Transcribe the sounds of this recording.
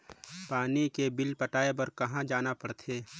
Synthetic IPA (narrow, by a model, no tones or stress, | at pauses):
paːnikebɪlpəʈaːep̬ɐɾkɐɦãd͡ʒaːnapəɽt̪ʰeː